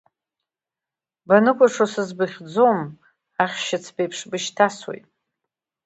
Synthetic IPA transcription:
banɨkʷʰʼaʂosɨzbɨχʲd͡zo̞m | aχʲʃat͡sʰbejpʰʂbɨʃtʰaswḛjtʼ

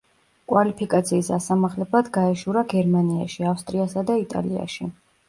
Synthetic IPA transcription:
kʼwalipʰikʼat̪sʰiːsasamaχlɛblad̪ɡaɛʃuɾaɡɛɾmania̰ʃiafst̪ʼɾiasad̪ait̪ʼa̰lḭa̰ʃi

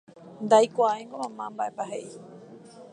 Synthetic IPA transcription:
nd̪ajkʷaaẽŋɡomãmãmbaʔepaɦeʔi

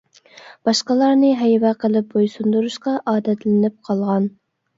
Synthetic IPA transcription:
b̥ɑʃqəlˠɑɾnɨɦɛjvɛqʰəlˠɪp̚bojsund̪uɾuʃqɑʔɑːd̪ɛt̪lɪnɪp̚qʰɑlˠʁɑn

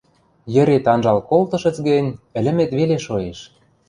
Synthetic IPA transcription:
jə̆ɾet̪ɑnʒɑlkolt̪ɤ̆ʃə̆t͡sɡə̆nʲɘ̆lʲɘ̆met̪βeleʃojeʃ

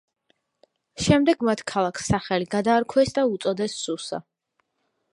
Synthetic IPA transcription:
ʃɛmd̪ɛɡmat̪ʰkʰalˠakʰsːaχɛliɡad̪aːɾkʰwɛsd̪aut̪sʼɔd̪ɛsːusa̰

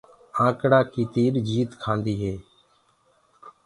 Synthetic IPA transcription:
ãːkɽaːkiːt̪iːɾd͡ʒiːt̪kʰãːnd̪iːɦeː

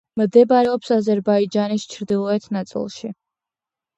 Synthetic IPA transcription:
md̪ɛbaɾɛɔpsazɛɾbaid͡ʒanist͡ʃʰɾd̪ilˠɔɛt̪ʰnat̪sʼḭlˠʃi

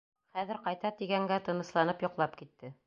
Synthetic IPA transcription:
χæðɘ̆ɾqɑjt̪ɑt̪iɡæŋɡæt̪ɤ̆nɤ̆slˠɑnɤpjŏqlˠɑpkit̪ːɘ

